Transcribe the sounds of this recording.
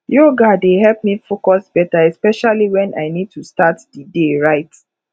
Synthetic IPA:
joɡadehɛlp̚mifokɔsbɛtaɛspɛʃaliwɛ̃nʔa̰ɪnid̚tustatdideɹaɪt

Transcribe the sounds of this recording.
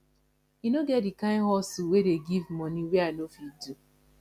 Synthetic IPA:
inoɡɛtdikãɪ̃ɦɔsiwedeɡivmɔniweanofidu

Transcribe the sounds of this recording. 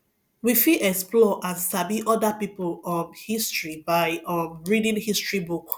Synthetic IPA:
wifiʔɛksplɔʔãnsabiʔɔdapipolɔmhistɹibaɪɔmɹidĩnhistɹibuk

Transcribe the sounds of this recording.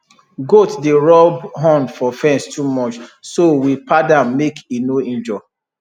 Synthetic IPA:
ɡotdeɹɔbɦɔ̃ndfɔfɛ̃nstʰumɔt͡ʃsowipadãmekʰenoĩnd͡ʒɔ

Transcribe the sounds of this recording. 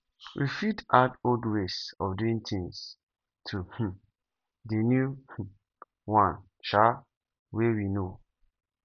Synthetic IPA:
wʔḭfitadoldwesɔfduĩŋtʰĩŋs | tʰuh̩ | denjuh̩ | wãn | ʃa | wewino

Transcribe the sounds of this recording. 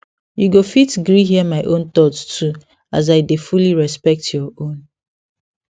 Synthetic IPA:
juɡofitɡɹiɦiəmaɪʔõnt̪ɔttʰu | az̬aɪdefuliɹɛspɛk̚tʰjɔõn

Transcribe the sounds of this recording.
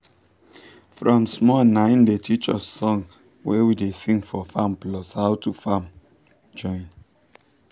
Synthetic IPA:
fɹɔ̃msmɔnãɪ̃ndetʰit͡ʃɔ̰sːɔ̃ŋ | wʔɛwidesĩŋɡfɔfãmplɔshaʊtufãm | d͡ʒɔ̃ɪ̃n

